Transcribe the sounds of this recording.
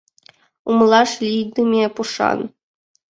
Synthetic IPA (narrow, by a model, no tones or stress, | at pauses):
umlˠɑʂlʲijd̪umʲepuʂɑ̰n